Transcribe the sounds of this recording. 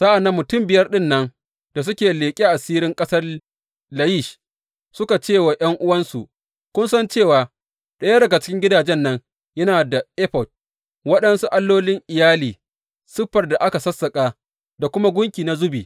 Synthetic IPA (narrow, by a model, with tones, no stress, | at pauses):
sa˦ʔa˨nːa˨mːʊ˨tʊ˦˨mbɪ˨jɐ˦rɗɪ˦nːɐ˦ŋ | d̥a˨s̬ʊ˦kʲeː˨leː˨kʲʼiː˦ʔa˨siː˦ɾɪ˦ŋkʼɐ˦sɐ˦r | la˦ji˦˨ʃ | sʊ˦ka˨t͡ʃeː˦˨wa˨j̰ɐ˦ŋʔʊ˦wɐ˦nsu˨ | kʷʊ˦nsɐ˦nt͡ʃeː˦˨waː˨ | ɗɐ˦jɐ˦dɐ˨ɡa˨t͡ʃɪ̥˦kʲɪ˦ŋɡʲɪ˦daː˨d͡ʒɛ˦nːɐ˦ŋ | jɐ˦naː˨da˨ʔɛ˦ɸɔ˨t̚ | wɐ˦ɗɐ˦nsu˦ʔa˦lːoː˦lɪ˦ŋʔɪ˨jaː˦liː˨ | sɪ˦ɸːɐ˨rda˨ʔa˦ka˨sɐ˦sːɐ˨kʼaː˨ | da˨kʷʊ˦ma˦ɡʷʊ˦ŋkʲiː˨na˦zʊ˦bḭː˨